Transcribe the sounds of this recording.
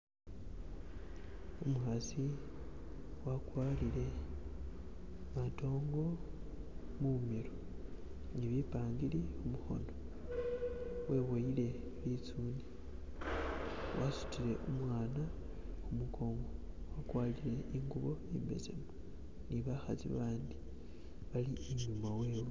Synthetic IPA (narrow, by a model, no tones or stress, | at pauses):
umuhasi | wakwaːlile̞ | mato̞ːŋɡo̞ | mumiɾo | niβipaːŋɡiliumuxo̞̰no̞ | we̞woile̞ | βit͡suni | wʔasu̥tile̞ʔumwaːna | umukʰo̞ːŋɡo | wakwalile̞ʔiŋɡuβo̞embe̞̰zḛmu | niβaxat͡sḭβaːndi | βalieɲumawe̞ːwe